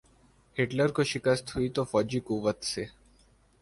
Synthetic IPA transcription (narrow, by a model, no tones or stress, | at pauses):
heʈləɾkoʃɪkəst̪ʰuit̪ofɔːd͡ʒikuʋət̪se